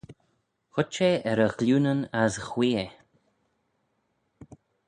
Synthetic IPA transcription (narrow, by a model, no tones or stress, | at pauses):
xʊt͡ʃeɛɾəɣluːnənasxwiːe